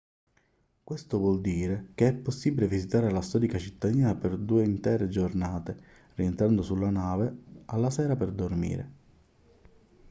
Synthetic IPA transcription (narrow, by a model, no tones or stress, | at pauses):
kwest̪ʊvwɔld̪iːɾekeɛpːosːibilevizit̪aːɾelast̪ɔːɾikat͡ʃit̪ːad̪iːnaperd̪uːeint̪ɛːɾed͡ʒornaːt̪e | rient̪ɾand̪ʊsulːanaːvealːasɛːɾaperd̪ormḭːɾḛ